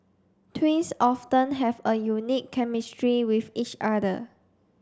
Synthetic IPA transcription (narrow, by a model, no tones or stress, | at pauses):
tʰwĩnsɔftə̃nɦɛvəjunikʰːɛmistɹiwifit͡ʃadə̰